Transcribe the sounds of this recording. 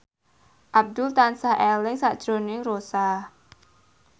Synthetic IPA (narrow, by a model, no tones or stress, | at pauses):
ʔab̚d̪ʊlt̪ansaɦelɪŋsaʔd̥ʒ̥ɾo̤nɪŋrosa